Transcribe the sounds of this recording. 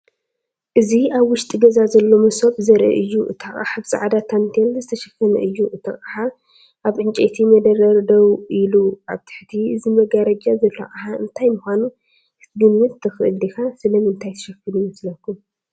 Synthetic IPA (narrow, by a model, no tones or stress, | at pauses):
ʔɨziaβwʊʃt̪ʼiɡɐzazɐlːo̞mɐsopʼzɐɾʔɨ̰ʔɨjːuʔɨ̰t̪ʰɐχʼa̰ħaβsʼa̰ʕad̪at̪ʰant̪ʰelzɨt̪ʰɐʃɐkːɐnɐ̰ʔɨjːuʔɨt̪ʰɐχʼaħa | ʔaβʔɨnt͡ʃʼḛt̪ʰimɐd̪ɐɾɐɾd̪ɐwilua̰βt̪ʰɨ̥ħt̪ʰiʔɨzimɐɡaɾɐd͡ʒazɐlːo̰ʕʔaħaʔɨnt̪ʰajmuxʷanu | ɨ̥t̪ɡɨmːɨt̪ːɨxɨʔɨld̪ikasɨlɐmɨnt̪ʰajt̪ʰɐ̥ʃɐkːɨlujmɐslɐkːum